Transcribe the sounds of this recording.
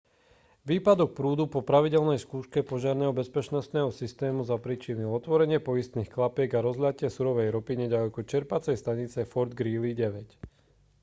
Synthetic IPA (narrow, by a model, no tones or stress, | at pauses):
ʋiːpad̪ɔk̚pɾuːd̪upɔpɾaʋiɟɛlnɛjskuːʃkɛpɔʒɪaɾnɛːɦɔbɛspɛt͡ʃnɔst̪nɛːɦɔsist̪ɛːmuzapɾit͡ʃiniɔt̪ʋɔɾɛɲɪɛpɔist̪niːxklapɪɛɡaɾɔzlʲacɪɛsuɾɔʋɛjɾɔpiɲɛɟalɛkut͡ʃɛɾpat͡sɛjst̪aɲit͡sɛfɔɾd̪ɡɾiːliɟɛʋɛc